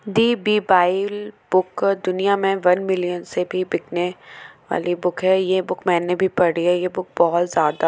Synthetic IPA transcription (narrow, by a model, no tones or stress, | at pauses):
d̪iːbiːbaːɪlbʊkd̪ʊnijamẽʋɐnmɪlijənsebʱibɪkneʋa̰ːlibʊkɦɛjebʊkmɛ̃ːnebʱipɐɽɽijajebʊk̚bɔɦʊt̪zjaːd̪a